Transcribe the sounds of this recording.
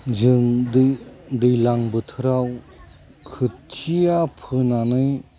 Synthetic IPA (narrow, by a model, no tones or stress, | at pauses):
d͡ʒɯŋdd̪ɯjlaŋbɯt̪ʰɯɾaw | kʰɯt̚t͡ʃʰiapʰɯnanɯj